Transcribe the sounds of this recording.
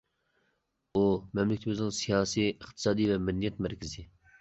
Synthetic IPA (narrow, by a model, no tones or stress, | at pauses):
omɛmlɪk̚ʰʲt̪ʰbzɨ̃ŋsijɑːsiɪqt̪ʰɨ̥sɑːd̪iːvɛmɪnːijɛt̪mæɾkʲʰɪzi